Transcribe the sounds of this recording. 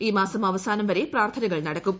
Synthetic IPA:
iːmaːsɐmɐʋɐsaːnɐmʋɐɾe̞praːrt̪ʰɐnɐɣɐɭnɐɽɐkːum

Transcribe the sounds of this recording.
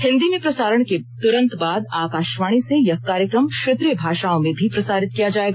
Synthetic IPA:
hɪ̃nd̪imẽpɾɐsaːɾəɽ̃ket̪ʊɾə̃nt̪baːd̪aːkaːʃʋaːɽ̃isejɐɦkaːɾjəkɾəmʃɾet̪ɾijəbʱaːʃaːõmẽbʱipɾɐsaːɾɪt̪̚kijad͡ʒaːeːɡaː

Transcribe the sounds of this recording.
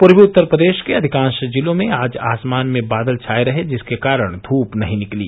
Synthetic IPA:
pʊɾbiʊt̪ːəɾpɾəd̪eːʃkeɐd̪ʱɪkãːnʃd͡ʒɪlõmẽaːd͡ʒa̰ːsmaːnmẽbaːd̪əlt͡ʃʰaːeɾɐɦed͡ʒɪskekaːɾəɽ̃d̪ʱuːpnɐɦĩnɪklḭː

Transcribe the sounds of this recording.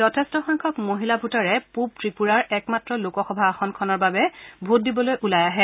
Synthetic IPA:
zɔtʰɛstɔxɔŋkʰɔkmoɦilabʱutaɹɛpup̚tɹipuɹaɹɛkmatɹɔlokɔxɔbʱaːxɔnkʰɔnɔɹbabɛbʱut̚dibɔlojʔulajaɦɛ

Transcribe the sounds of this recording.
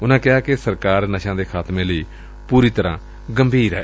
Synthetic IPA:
ʊnãːkɪaːkesəɾkaːɾnəʃãːd̪eːkʰaːt̪mẽːləiː | puːɾiːt̪əɾãː | ɡəmbʱiːɾɛː

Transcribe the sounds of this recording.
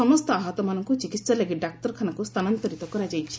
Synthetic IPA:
ɔmɔst̪ɔaɦɔt̪ɔmanɔŋkut͡ʃikit̪saleɡiɖak̚ʈɔɾkʰanakust̪ʰanant̪ɔɾit̪ɔkɔɾad͡ʒajt͡ʃʰi̥

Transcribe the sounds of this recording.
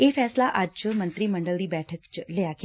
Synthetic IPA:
efɛːslaʔat͡ʃəmənt̪ɾiːməɳɖəld̪iːbɛːʈʰəkt͡ʃlejakʰ

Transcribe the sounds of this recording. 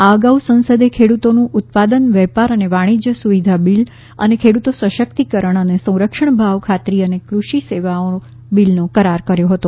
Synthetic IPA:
aəɡausə̃ñsəd̪ekʰeɽut̪onũʔʊt̪̚pad̪ənʋɛpaɾəneʋaɽ̃id͡ʒjəsuʋid̪ʱabil | ə̰nekʰeɽut̪osəʃək̚t̪ikəɾəɳ̃ənesə̃w̃ɾəkʃəɳ̃bʱaʋkʰat̪ɾiənekɾuʃiseʋao | bilnokəɾaɾkəɾjoɦət̪o

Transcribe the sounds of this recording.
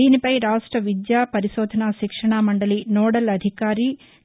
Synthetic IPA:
iːnipɐjɾaːʂʈɾɐʋid̪jaːpɐɾiʃoːd̪ʱɐnaʃikʂɐɳamɐɳɖɐlinoːɽɐlɐd̪ʱikaːɾi

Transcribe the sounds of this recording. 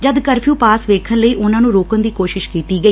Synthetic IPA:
d͡ʒəd̪kəɾpʰjũːpaːsʋeːkʰənləiːʔʊnãːnũːɾoːkənd̪iːkoːʃɪʃkiːtt̪iːɡəiː

